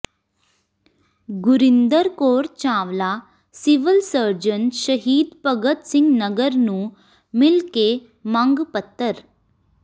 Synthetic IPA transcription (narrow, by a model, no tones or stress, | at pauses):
ɡuɾind̪əɾkoɾt͡ɕãʋla | siʋəlsəɾd͡ʑənɕəɦiːd̪pəɡət̪siŋɡnəɡəɾnũː | milke | mãŋɡpət̪ːəɾ